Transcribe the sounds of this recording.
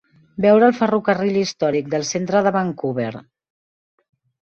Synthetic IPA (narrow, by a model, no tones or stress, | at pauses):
bɛwɾəːlˠfərukərilist̪ɔɾik̚d̪əlˠsent̪ɾəðəβaŋkuβ̞eɾ